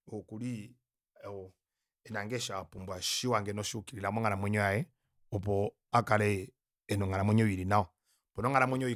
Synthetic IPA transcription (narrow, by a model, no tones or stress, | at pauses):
ɔkuli | ɔ | ɛnaŋɡɛʃapumbwaʃiwaŋɡɛnɔʃiukiɾilamɔŋaɾamwɛɲwajɛ | ɔp̬ɔ | akalɛː | nɔŋaɾamwɛɲɔwiɾinaɔ | pɔnɔŋaɾamwɛɲɔwi